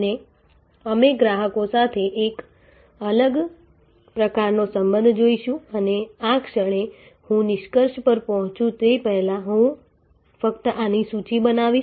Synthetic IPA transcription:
ne | əmeɡɾaɦəkosat̪ʰeʔːk | ələɡ | pɾəkaɾnosəmbə̃nd̪ʱd͡ʒoiʃũəneakʃəɭ̃e | hũnɪʃkəɾʃpəɾpɔɦɔ̃t͡ʃũt̪epɛɦlãɦũ | fəkt̪əʔanisut͡ʃibənaʋi

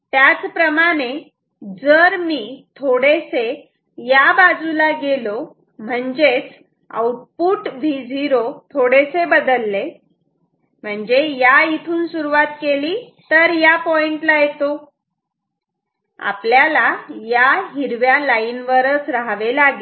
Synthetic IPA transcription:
t̪jat͡spɾəmaɽ̃e | d͡zəɾmiːt̪ʰoɽese | jabad͡zulaɡelo | m̤əɳd͡zet͡s | a̰wʈ̚puːʈʋʱid͡zʱiɾot̪ʰoɽesebəd̪əlːe | m̤əɳd͡zejait̪ʰuːnsuɾuʋat̪keliː | t̪əɾjapɔiɳʈlajet̪o | a̰pljalajaɦiɾʋjalainʋəɾət͡sɾaɦʋelaɡi

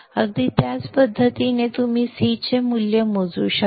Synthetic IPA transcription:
əɡ̚d̪it̪jat͡spəd̪ʱːət̪inet̪um̤iːsit͡ɕemuljəmod͡zṵɕa

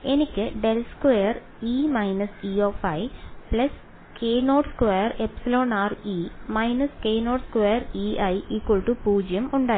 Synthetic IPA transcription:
e̞nikʲːɨɖelskʋejɐr | imɐjnɐsioːfɐjpɭɐs | kʰeːnoːʈskʋejɐrepsɐloːnaːrimɐjnɐskeːno̞ːʈskʋeːɐriʔɐjikːoɭʈupuːd͡ʑjɐmuɳɖaːi

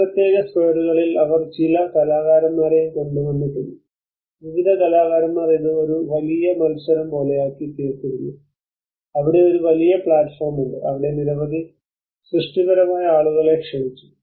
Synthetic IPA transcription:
prɐt̪je̞ːɣɐspeːɽuɣɐɭilɐʋɐrt͡ɕilɐk̪ɐlaːɣaːɾɐmːaːɾeeɳɖunoɳɖɨt̪onːu | ʋiʋiðɐkɐlaːɣaːɾɐmːaːriðɨo̞ɾuʋɐlijɐmɐlsɐɾɐmpo̞ːlejaːkːit̪iːrk̪ːiɾunːu | ɐʋiɽe̞o̞ɾuʋɐlijɐpɭaːʈfoːrmuɳɖɨʔɐʋiɽe̞niɾɐʋɐðʱi | srɨʂʈiɣɐɾɐmaːjɐaːɭuɣɐɭe̞kʂɐmit͡ɕːu̥

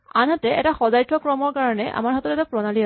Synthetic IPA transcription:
a̰nɦatɛʔɛtaxɔzajtɔkɹɔmɔɹkaɹɔnɛʔa̰maɹɦatɔtɛtapɹɔnalia

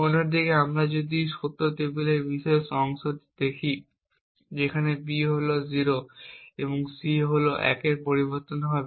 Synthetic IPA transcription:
onoɾd̪ikeamɾad͡ʑod̪iʃot̪oɦt̪ebelebiʃɔeʃɔŋsod̪d̪̥ekʰi | d͡ʑekʰanebiɦoloziɾoeboŋsiɦoloʔɛ̰keɾpoɾiboɾt̪onɦɔbe

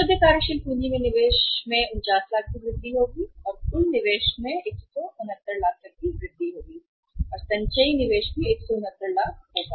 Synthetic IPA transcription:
ʃʊd̪ʱjəkaːɾjəʃɪlpũːɲd͡ʒimẽnɪʋeːʃmẽʊ̃nt͡ʃaːslaːk̚biɡɾɪd̪ːiɦoːɡiɔːɾʊnːɪʋeːʃmẽeːksɔʔʊnət̪ːəɾlaːk̚t̪ək̚kiɡɾɪd̪ʱːiɦoːɡiː | ɔːɾsɐ̃ɲt͡ʃəinɪʋeːʃmẽeːksɔʊnət̪ːəɾlaːk̚ɦoːɡaː

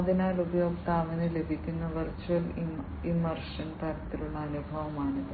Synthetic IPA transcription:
d̪ʱinaːlubɐjo̞ːkt̪aːʋenɨle̞bʱikʲːunːɐʋɐrt͡ɕːuɐl | imɐrʂɐnt̪ɐɾɐt̪ːiluɭːɐːnubʱɐʋɐmaːɳɨ

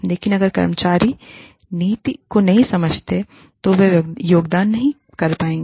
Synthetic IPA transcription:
leːkɪnɐɡəɾkɐ̰ɾmət͡ʃaːɾi | niːt̪ikonɐɦĩsɐməd͡ʒʱt̪e | t̪oʋejoːɡd̪aːnːɐɦĩ | kɐɾpaːẽːŋɡ

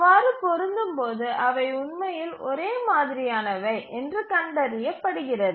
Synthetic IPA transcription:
ʋaːɾɯpɔɾɯnd̪ɯmpoːðɯʔɐʋɐɪʊɳmɐjɪlʔɔɾeːmaːðɪɾɪjaːnɐʋɐɪʔɛndrɯkɐɳɖɐɾɪjɐpːɐɽɯɣɪrɐðɯ

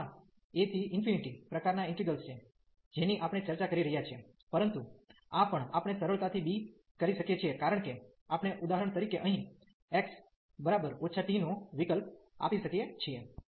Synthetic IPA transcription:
a | et̪ʰiʔɪnfiniʈipɾəkaɾnaɪɳʈɾiɡəlst͡ʃʰe | d͡ʒeniʔapɳ̃et͡ʃəɾt͡ʃakəɾiɾəɦjat͡ʃʰie | pəɾənt̪u | apəɳapəɳ̃esəɾəɭt̪at̪ʰibi | kəɾiʃəkjet͡ʃʰiekaɾəɳ̃ke | apɳ̃eʔud̪aɦəɾəɳ̃t̪əɾikeʔəɦĩ | eks | bəɾabəɾoːt͡ʃʰaʈinoʋikəlp̚a̰piʃəkijet͡ʃʰie

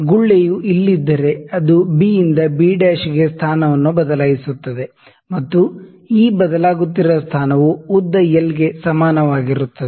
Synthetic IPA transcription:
ɡuɭːejuʔilːid̪ːɐɾe̞ɐd̪ubiind̪ɐbiːɖeːʃiɡe̞st̪ʰaːnɐʋɐnːubɐd̪ɐlaːɡisut̪ːɐd̪e̞ | mɐt̪ːu | iːbɐd̪ɐlaːɡut̪̬ːiɾɐst̪ʰaːnɐʋuud̪ːɐjɛlɡe̞sɐmaːnɐʋaːɡiɾut̪ːɐd̪e

